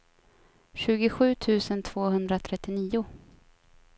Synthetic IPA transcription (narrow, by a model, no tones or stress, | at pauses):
ɕʉ̟ːɡʊɧʉ̟ːt̪ʰʉ̟ːsənt̪ʰv̥oːhɵnd̪ɾat̪ʰɾɛt̪ːɪniːʊ